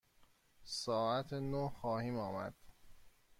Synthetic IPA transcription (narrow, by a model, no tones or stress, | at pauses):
sɒːæt̪ʰnohxɒːhiːmɒːmæ̰d̪̥